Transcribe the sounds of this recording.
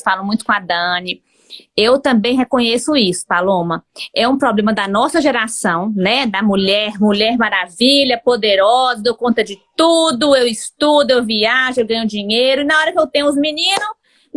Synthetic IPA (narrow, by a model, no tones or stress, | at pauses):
sfalɐ̃w̃mũj̃t̪ʊ̥kõad̪ɐ̃nɪ | ewt̪ɐ̃bẽj̃ɦekõɲesʊisʊ̥palõmɐɛũpɾɔblẽmɐd̪ɐnɔsɐʒeɾasɐ̃w̃nɛd̪ɐmuʎɛɾmuʎɛɾmaɾaviʎɐpod̪eɾɔzɐd̪okõnt̪ɐd͡ʒɪt̪ud̪ʊewist̪ud̪ʊewviaʒʊewɡɐ̃ɲʊd͡ʒĩɲejɾʊinaɔɾɐkɪewt̪ẽɲ̃ʊ̃ʊzminĩnʊ